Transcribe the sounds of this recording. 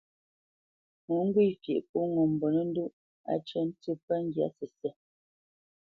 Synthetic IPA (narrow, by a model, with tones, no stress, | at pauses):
mu˨˦ŋ̩˦ɡwi˦˨fje˨ʔpu˦ŋɔ˨m˨bɔ˨nə˦n̩˦du˦ʔ | a̰˨˦t͡ʃə˦n̩˦tə˦˨pə˦ŋ̩˦ɡja̰˨˦sɛ˨sɛ˦˨